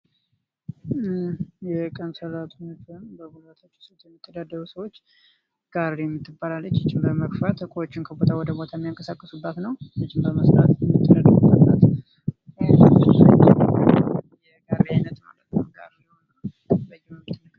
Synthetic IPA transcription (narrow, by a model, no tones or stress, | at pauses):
jɛkʼənsəlat̪ʰunəfɨmbəɡulət̪ʰat͡ʃːɪ̥sot̪jɛmːit̪ʰːəd̪ad̪ːəɾusəwot͡ʃː | ɡ̥aɾejɛmːɨt̪ʰːɨbːalalːət͡ʃːɪt͡ʃːɪmbəməkfat̪hɨkʷʼowot͡ʃːɪnkʰəbot̪ʰawɔd̪əbo̞t̪ʰajɛmːijaŋkʼəsakʼːəsubːət̪nəwjɨt͡ʃːɪmbəməst̪ʼat̪jɛmːit̪ʰʼːəd̪ad̪əɾubaat̪ | wt͡ʃːat͡ʃː | jɛɡaɾiajnət̪ma̰lət̪nəɡa̰ɾjɪho̞nə | bəjːɛmɛmːɨt̪ʰːɨnːək